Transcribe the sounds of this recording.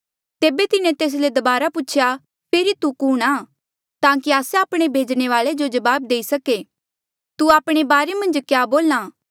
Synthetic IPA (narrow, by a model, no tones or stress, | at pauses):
t̪eːbet̪ɪnẽt̪eːs̬led̪ɐbaːɾapuːt͡ʃʰja | pʰeɾit̪ukuːɽ̃aː | t̪ãːkiaːseaːpɽ̃ebʱeːd͡ʒɽ̃eʋaːɭed͡ʒod͡ʒɐbaːb̚d̪eːisɐke | t̪uaːpɽ̃ebaːɾemɐ̃nd͡ʒkjaːboːlãː